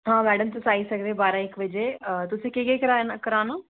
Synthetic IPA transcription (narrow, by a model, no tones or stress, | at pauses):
ɦãːmɛːɖəmt̪ʊsaːiːsəkd̪ẽːbaːɾãːɪkʋɪd͡ʒeːət̪ʊsẽːkekekəɾaːnakəɾaːnaː